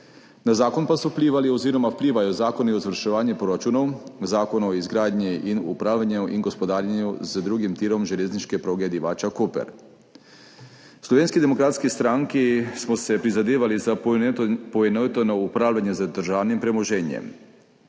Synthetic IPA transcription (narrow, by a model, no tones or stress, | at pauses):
nazaːkonpasowpliːʋalioziːɾomawpliːʋajozaːkoniozʋəɾʃɛʋaːɲɛpɾoɾat͡ʃuːnowzaːkonoizɡɾaːd̪ɲiʔinṵpɾaːwʎanuʔiŋɡospod̪aːɾjaɲuzd̪ɾuːɡimt̪iːɾomʒeleːznit͡ʃkɛpɾoːɡɛd̪iʋaːt͡ʃakopɛ̰ɾ | slɔʋeːnskid̪emokɾaːt̪skist̪ɾaŋkismɔsɛpɾizad̪eːʋaliza | poʋenoʋit̪onɔupɾaːwlʎanjɛzad̪ɾʒaːwnimpɾɛmoʒeːnjɛ̰m